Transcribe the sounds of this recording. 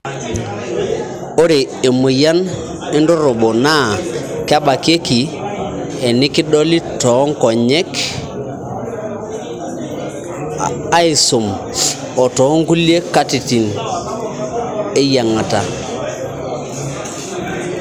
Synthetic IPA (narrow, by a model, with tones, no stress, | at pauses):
o˦ɾe˨e˨mu˨ja˦n | i˦ndɔ˦ɾo˨bo˨na˦ka˦ba˨ke˦ki˨ | e˨ni˦ki˦dɔ˦li˦tɔ˨˦ŋkɔ˨ɲɛ˦k | a˦i˨su˨m | ɔ˨tɔ˨˦ŋku˦li˦e˦ka˦ti˨ti˨n | e˦ja˨ŋa˨ta˨